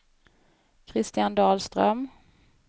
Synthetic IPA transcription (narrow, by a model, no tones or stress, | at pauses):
kʰɾɪst̪ɪjand̪ɑːlst̪ɾœ̰m